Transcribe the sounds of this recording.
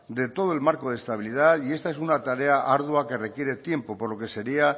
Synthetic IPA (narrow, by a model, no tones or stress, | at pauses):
d̪e̞t̪o̞ð̞o̞e̞lmaɾko̞ð̞est̪aβ̞iliðaðie̞st̪ae̞sunat̪aɾe̞aʔaɾðwake̞re̞kje̞ɾe̞t̪je̞mpo̞po̞ɾlo̞ke̞se̞ɾia